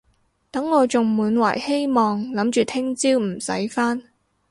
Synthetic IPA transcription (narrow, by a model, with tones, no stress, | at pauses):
t̪ɐ˨˥ŋːɔː˨˧t͡sʊ˨ŋmuː˨˧nwa̰ː˨˩jhe˥jmɔː˨ŋlɐ˨˥mt͡ʃyː˨˩t̪ʰɪ˥ŋt͡siː˥wm̩˨˩sɐ̰˨˥jfaː˥n